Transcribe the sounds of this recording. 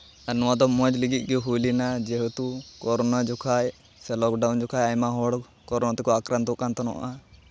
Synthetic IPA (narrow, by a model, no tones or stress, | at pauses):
anɔwad̪ɔmɔd͡ʒliɡic̪̚ˀɡɛɦulinad͡ʒɛɦɔt̪ukɔɾɔnad͡ʒɔkʰaj | sɛlɔkɖand͡ʒɔkʰajajmaɦɔɽ | kɔɾɔnat̪ɛkɔakɾand̪ɔkant̪ɔnɔ̰ʔa̰ʔa